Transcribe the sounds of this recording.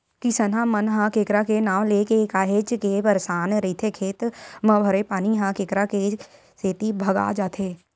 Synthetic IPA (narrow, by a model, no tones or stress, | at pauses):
kisənãmənɦãkeːkɾakenaːʋ̃leːkekaːɦet͡ʃkepəɾsaːnɾit̪ʰekʰeːt̪mə̃bʱəɾepaːniɦãkeːkɾake | seːt̪ibʱɐɡa̰ːd͡ʒaːt̪ʰeː